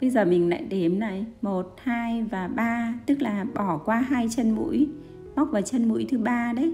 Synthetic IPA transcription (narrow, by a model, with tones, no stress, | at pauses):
ɓə˧jzəː˨˩mï˨˩ŋla̰ː˧˨jɗe˨˦mna˨˩jmo˨˩t̚haː˧jvaː˨˩ɓaː˧t̪ɨ˦˥k̚laː˨˩ɓɔ˧˩kwaː˧ɦaː˧jt͡ɕə˧nmṵ˧˥j | ɓk͡p̚vaː˨˩t͡ɕə˧nmṵ˧˥jt̪ʰɨ˨˦ɓaː˧ɗə˨˦j